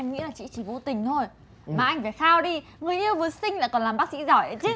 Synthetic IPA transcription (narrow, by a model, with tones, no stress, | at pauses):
ʔɛ˧mŋḭ˧˥laː˨˩t͡ɕḭ˧˨t͡ɕi˧˩vṵ˧˨t̪ï˨˩ŋ̟t̪ʰo˧j | maː˨˩ʔa˧jŋ̟va˧˩jxaː˧wɗi˧ | ŋɨ˨˩əjʔi˧əwvɨ˨˩˦əsï˧ŋ̟la̰˧˥kɔ˨˩nlaː˨˩mɓaː˦˥k̚sḭ˧˥zɔ˧˩jʔə˧˩t͡ɕi˦˥